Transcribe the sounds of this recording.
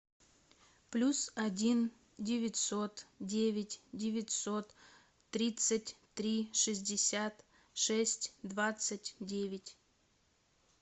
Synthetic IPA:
plʲusɐdʲin | dʲɪvʲɪtʲsot̪dʲevʲɪtʲdʲɪvʲɪtʲsot̪ː | ɾʲit̪sətʲt̪ɾʲiʂɨzʲdʲɪsʲat̪ | ʂɛsʲtʲd̪vat̪sɨtʲdʲevʲɪtʲ

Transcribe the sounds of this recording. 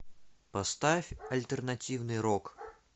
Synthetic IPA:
pɐst̪afʲɐlʲt̪ɛrnatʲiwnɨjɾɔk

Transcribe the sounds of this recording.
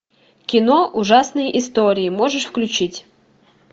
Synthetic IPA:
kʲɪnoʔʊʐasnɨjʔɪst̪oɾʲɪɪmoʐɨʂfklʲʉt͡ɕitʲ

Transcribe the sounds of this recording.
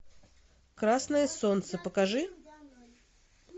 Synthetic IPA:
kɾasnəjəsont̪səpəkaʐɨ

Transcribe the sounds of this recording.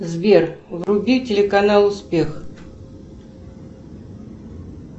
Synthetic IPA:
zvʲervrʊbʲitʲɪlʲɪkɐnalˠʊspʲe̞x

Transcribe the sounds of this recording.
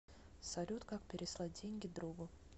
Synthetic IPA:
sɐlʲut̪kak̚pʲɪɾʲɪslˠadʲenʲɡʲɪd̪ɾuɡʊ

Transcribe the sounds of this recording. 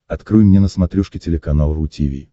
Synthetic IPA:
ɐt̪kɾɨjmnʲenəsmɐt̪ɾʲuʂkʲɪtʲɪlʲɪkɐnalˠəɾʊtʲḭvʲḭ

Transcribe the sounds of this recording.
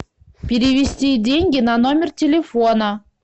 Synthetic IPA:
pʲeɾʲivʲesʲtʲidʲeŋʲɡʲɪnanomʲɪrtʲelʲefonə

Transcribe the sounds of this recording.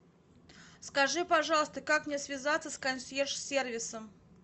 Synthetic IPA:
skɐʐɨpɐʐɑlˠəst̪əkakmnʲeɛsvʲɪzat̪səskɐnsʲerʂsʲervʲɪsəm

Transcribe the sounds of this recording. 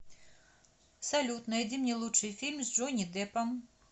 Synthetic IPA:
sɐlʲut̪nɐid̪ʲimnʲɛlˠutʂɨjfʲilʲmzʲʐɔnʲid̪ɛpɐm

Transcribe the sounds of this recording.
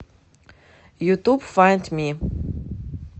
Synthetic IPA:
jutub̥fãɪ̃ndmi

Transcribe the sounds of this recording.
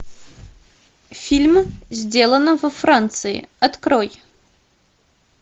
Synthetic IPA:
fʲilʲmzʲdʲe̞lˠənɨvɐfrant̪sɨɪ̰ɐt̪kroj

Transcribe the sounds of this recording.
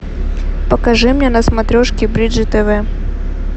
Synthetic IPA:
pəkɐʐɨmnʲenɐsmɐt̪ɾʲoʂkʲɪbɾʲidʐɨt̪ɛvɛ

